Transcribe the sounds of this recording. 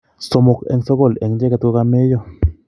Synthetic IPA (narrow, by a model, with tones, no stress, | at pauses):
so˨mo˨kḛ˨ŋso˦ɡo˦˨le˨ŋd͡ʒe˦ka˧t̪ko˦ka˧me˦jo˦